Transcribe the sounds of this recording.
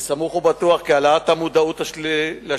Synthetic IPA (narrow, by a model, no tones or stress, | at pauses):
samuχubat̪uaχkialat̪hamud̪aut̪ala